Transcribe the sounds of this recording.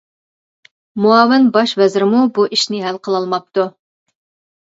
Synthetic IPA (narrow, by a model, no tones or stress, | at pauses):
muɑːvɪnbɑʃvɛzɪɾɪmubuʔiʃnɪɦælqʰəlˠɑlˠmɑp̚t̪u